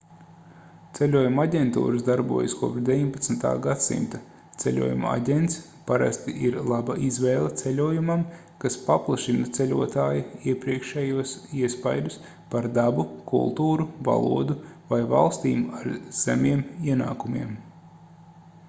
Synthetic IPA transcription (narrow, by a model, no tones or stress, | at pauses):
t̪selʲuɔjumaɟʲent̪ṵːɾasd̪aɾbṵɔjaskuɔpd̪ʲevʲiɲpat̪snt̪a̰ːɡat̪sḭmt̪a | t̪selʲṵɔjṵma̰ɟʲent̪s | paɾa̰st̪iʔiɾlˠabaʔizvɛːlˠet̪selʲuɔjumam | kaspaplˠaʃinɐt̪selʲuɔt̪aːjiiɛpɾiɛkʃɛjuɔsiɛspajd̪us | paɾd̪abukʰṵlˠt̪uːɾuva̰lˠṵɔd̪uvajva̰lˠst̪iːmaɾz̥æmiɛmiɛna̰ːkumiɛm